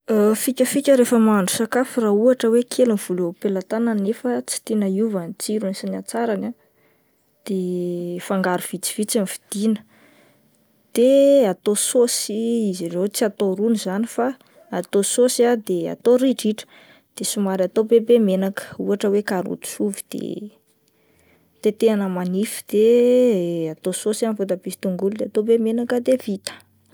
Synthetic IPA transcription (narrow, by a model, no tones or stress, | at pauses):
əfikʲəfikʲəɾefəmaɳɖ͡ʐusakafirauaʈ͡ʂəwekʰeluniv̥ulopelat̪ananefət͡si̥t̪inaiuvanit͡siɾunisinat͡saɾana | d̪̥efaŋɡaɾuv̥it͡si̥v̥it͡samfi̥d̪̥inə̥ | d̪̥eat̪ososiizirewt͡siat̪oɾunizanifaː | t̪ososiad̪ea̰t̪oɾiʈ͡ʂiʈ͡ʂə̥ | d̪̥esumaɾat̪obebemenakə̥uaʈ͡ʂəwekaɾṵt̪u̥suvid̪̥ḛ | t̪et̪eanəmanifi̥d̪̥e | at̪ososanfut̪abisi̥t̪uŋɡulud̪eat̪obemenakəd̪evit̪ə̥